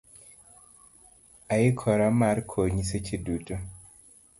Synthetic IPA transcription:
aikʰɔɾamaɾkʰoɲiset͡ʃʰiduto

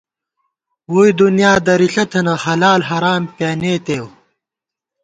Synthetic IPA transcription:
wuːid̪unjaːd̪ɐɾiɬɐt̪ʰɐnɐhɐlaːlɦɐɾaːmpjaːneːt̪eːw

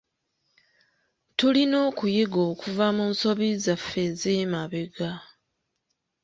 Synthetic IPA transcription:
tulino̞ːkujeɡo̞ːkuvamuːnso̞βizafːezemaβeɡa

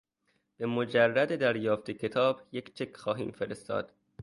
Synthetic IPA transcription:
b̥e̞mod͡ʒærːæd̪ed̪æɾjɒːft̪ʰecʰe̞t̪ʰɒːb̥jekt͡ʃʰe̞kʰxɒːɦḭːmfeɾest̪ɒ̰ːd̪̥

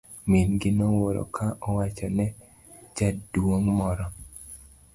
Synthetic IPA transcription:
minɡɪnowoɾo̰kʰaʔɔwat͡ʃɔnɛ | d͡ʒadwoŋmɔɾɔ

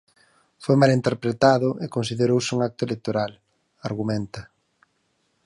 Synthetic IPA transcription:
fojmalint̪eɾpɾet̪aðʊʔekonsiðeɾowsɪuŋak̚t̪ʊelek̚t̪oɾal | aɾɣumɛnt̪ɐ

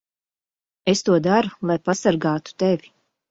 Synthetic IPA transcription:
est̪uɔd̪aɾulˠajpasaɾɡaːt̪u̥t̪evʲi

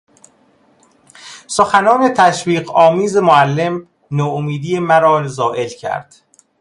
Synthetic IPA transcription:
soxænɒːne̞t̪ʰæʃviːɢɒːmiːze̞moælːe̞m | noːomiːd̪ijemæɾɒːzɒːʔe̞lcʰæ̰ɾd̪̥

